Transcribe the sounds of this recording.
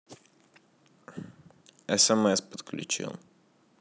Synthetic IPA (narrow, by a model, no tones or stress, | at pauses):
ɛsɛmɛspət̪klʲṵt͡ʃḭlˠ